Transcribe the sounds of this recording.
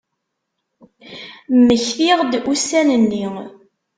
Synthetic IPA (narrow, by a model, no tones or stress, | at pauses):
məçθiʁd̪usænənːi